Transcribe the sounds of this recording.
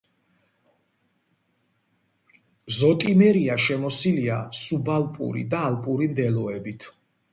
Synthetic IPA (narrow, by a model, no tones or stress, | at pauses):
zɔt̪ʼimɛɾiaʃɛmɔsiliasubalˠpʼṵɾḭd̪aːlpʼuɾimd̪ɛlɔɛbit̪ʰ